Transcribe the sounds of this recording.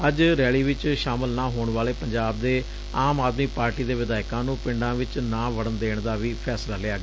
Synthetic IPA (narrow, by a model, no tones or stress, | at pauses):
əd͡ʒɾɛːɭiːʋɪt͡ʃʃaːməlnaːɦoːɳʋaːleːpəɲd͡ʒaːb̚d̪eː | aːmaːd̪miːpaːɾʈiːd̪eːʋɪd̪aːɪkãːnũːpɪɳɖãːʋɪt͡ʃnãːʋəɽənd̪eːɳd̪aːʋiːpʰɛːslaːleaːɡaː